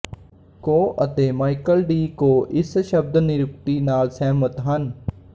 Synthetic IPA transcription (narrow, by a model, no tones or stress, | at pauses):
koːʔət̪eːmaːɪkəlɖiːkoːʔɪsʃəb̚d̪nɪɾʊk̚t̪iːnaːlsɛːmət̪ɦən